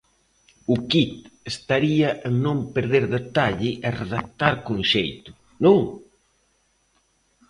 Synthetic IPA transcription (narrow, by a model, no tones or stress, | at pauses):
ʊkit̪est̪aɾiaʔeŋnõmpeɾðeɾðet̪aʎɪʔereðak̚t̪aɾkonʃejt̪ʊ̥ | nõŋ